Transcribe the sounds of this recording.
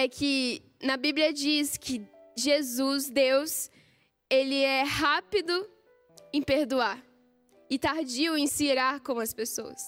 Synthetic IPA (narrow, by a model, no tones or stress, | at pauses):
ɛkʰɪ | nɐbibliɐd͡ʒiskʰɪʒezuzd̪ews | elɪɛhapid̪ʊ | ẽpeɾd̪uaɾ | ɪt̪aɾd͡ʒiwẽj̃siɾaɾkõɐspesoɐ̰s